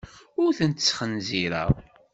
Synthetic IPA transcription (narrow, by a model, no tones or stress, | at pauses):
ʊɾθənt̪t͡sːχənziɾæ̰